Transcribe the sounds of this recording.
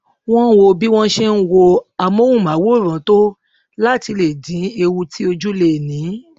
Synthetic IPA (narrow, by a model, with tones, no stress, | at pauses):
w̃ɔ̃˦wo˧bi˦w̃ɔ̃˦ʃe˦˧n̩˦wo˧a˧mõ˦wũ˦˨mã˨˦wo˦˨ɾ̃ã˨˦to˦ | la˦ti˧le˨dĩ˨˦e˧wu˧tʰi˦o˧d͡ʒu˦le˧˨nĩ˨˦